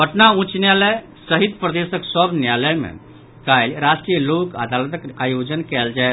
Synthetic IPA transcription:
bəʈnaũt͡ʃnjaləj | səɦit̪pɾəd̪esəksəbʱnjaləjmḛ | kajlɾasʈɾijəloka̰d̪alət̪əkajod͡ʒənkɛld͡ʒa

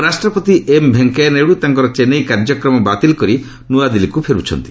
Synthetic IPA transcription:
ɾasʈɾɔpɔt̪iʔembʱeŋkeneɽut̪aŋkɔɾɔt͡ʃenejkaɾd͡ʒɔkɾɔmɔbat̪ilɔkɔɾi | nuad̪ilikupʰeɾut͡ʃʰɔ̰nt̪i̥

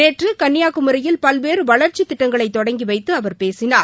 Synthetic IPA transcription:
eːʈrɯkɐnːɪjaːɣɯmɯɾɐjɪlpɐlʋeːɾɯʋɐɭɐɾt͡ʃːit̪ːɪʈːɐŋɡɐɭɐɪt̪ːɔɽɐŋɡiʋɐɪt̪ːɯɐʋɐɾpeːsɪnaː

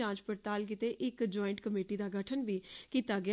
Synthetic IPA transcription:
ãːd͡ʒpəɾt̪aːlk̬it̪eːʔɪkd͡ʒɔːɪ̃ɳʈkəmeːʈiːd̪aːɡʱəʈʰənʋiːkiːt̪aːɡɪ

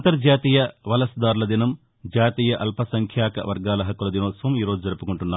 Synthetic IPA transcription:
nt̪ɐɾd͡ʒaːt̪iːjɐʋɐlɐsd̪aːɾulɐd̪inɐm | d͡ʒaːt̪iːjɐʔɐlpʰɐsɐŋkʰjaːkɐ̰ʋɐɾɡaːlɐɦɐkːulɐd̪inoːt̪sʋɐmiːɾoːd͡ʒud͡ʒɐɾupukuɳʈunːaː

